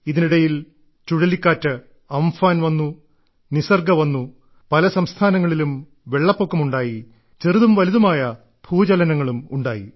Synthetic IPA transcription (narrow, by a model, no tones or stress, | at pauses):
iðiniɽɐjil | t͡ɕuɻɐlikːaːtːɨ | ɐmfaːnʋɐnːu | nisɐrɡɐʋɐnːu | pɐlɐsɐmst̪ʰaːnɐŋːɐɭilum | ʋe̞ɭːɐpːo̞kːɐmuɳɖaːji | t͡ɕeriðumʋɐliðɐmaːjɐ | b̥ʱuːd͡ʑɐlɐnɐŋːɐɭumuɳɖaːjḭ